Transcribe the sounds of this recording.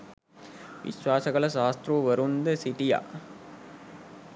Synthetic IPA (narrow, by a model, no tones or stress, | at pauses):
ʋḭɕʋaːsɐɡɐɭɐʃaːst̪ɾuʋɐɾund̪ɐsiʈija̰ː